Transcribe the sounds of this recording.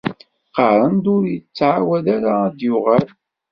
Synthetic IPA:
qəɾˤənd̪ʊɾjət͡sːʕawæðaɾaðjʊʁæl

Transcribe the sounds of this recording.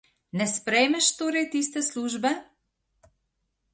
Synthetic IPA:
nɛspɾɛjmɛʃt̪oːɾɛjt̪iːst̪ɛsluːʒbɛ

